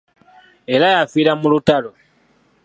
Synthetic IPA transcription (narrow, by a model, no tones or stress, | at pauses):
e̞lajafiɾamulutalo